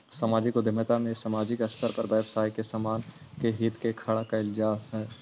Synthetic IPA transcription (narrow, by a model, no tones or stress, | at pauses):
sɐmaːd͡ʒikod̪ʱɪmət̪amẽsɐmaːd͡ʒɪkɐst̪əɾpɐɾbɛːʋsaːjkesamaːn | keɦiːt̪kekʰɐɽakaɪlzaːmɦɛː